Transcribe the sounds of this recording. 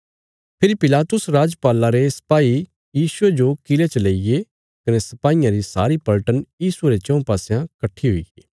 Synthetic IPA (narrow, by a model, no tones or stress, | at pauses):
pʰɪɾipɪlaːt̪ʊsɾaːd͡ʒpaːlaɾesɐ̥paːi | jiːsʊed͡ʒokɪlet͡ʃɐleːije | kɐnesɐpaːijãɾisa̰ːɾipɐlʈənjiːsueɾet͡ʃɔ̃ũpaːsejãkɐʈʰːiɦʊḭɡeː